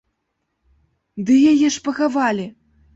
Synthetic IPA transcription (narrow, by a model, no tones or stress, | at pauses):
d̪ɨjajɛʂpɐɣavalʲi